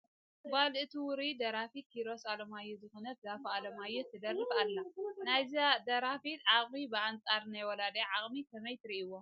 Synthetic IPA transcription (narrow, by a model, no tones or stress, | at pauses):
balɨt̪ʰuwʊɾid̪ɐɾafit̪̚kʰiɾo̞salomajuzɨxonɐt̪̚zafɐalomajut̪ʰːɨd̪ɐrːɨbalːɐnajzad̪ɐɾafit̪ʕakʼmibɨant͡sʼaɾnajwɔlad̪ɐjʕakʼmit̪ʰɐmɐjt̪ɾiʔɨwːo